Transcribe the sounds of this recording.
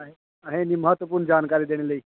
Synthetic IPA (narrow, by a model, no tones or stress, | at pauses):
ɦe | aɦeniːməɦət̪ʋəpuːɾɳd͡ʑankaɾiːd̪eɽ̃elei